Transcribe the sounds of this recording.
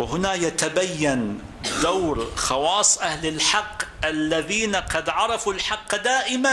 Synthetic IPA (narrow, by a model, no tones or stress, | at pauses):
wɪhʊnajat̪abajːan | d̪awɾxɑwɑːsˤʔahlɪlħɑqːʔalːaðiːnaqɑd̪ʕɑɾˤɑfulħɑqːd̪aːʔɪma